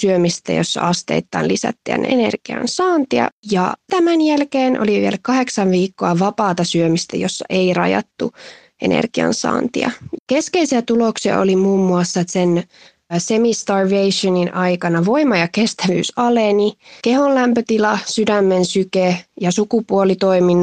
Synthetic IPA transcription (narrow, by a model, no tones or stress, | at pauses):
syømist̪æ̰jo̰sːɑ̰ɑst̪ḛːt̪ːɑ̰nlisæ̰t̪ːḭæ̰nḛnḛrɡ̥iɑ̰nsɑːnt̪iɑ̰jɑ̰t̪æmænjælkeːnʔo̰liʋielkɑheksɑʋʋiːkːoɑʋɑpɑːt̪ɑsyømist̪æ̰josːɑ̰ʔeirɑ̰jɑ̰t̪ːu | ʔḛnḛrɡ̥iɑ̰nsɑ̰ːnt̪ḭɑ̰keskeisiæt̪uloksiɑ̰o̰limuːmːuɑsːɑt̪sen | semist̪ɑrʋeiʃoninʔɑikɑnɑʋoimɑjɑkest̪æʋy̰ːsɑlenikehollæmpøt̪ilɑsydæmːensykejɑsukupuolit̪oimin